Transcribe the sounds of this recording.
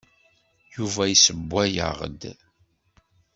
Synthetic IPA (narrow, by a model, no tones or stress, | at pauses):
juvæjsəbʷːæjə̰ʁ̰d̪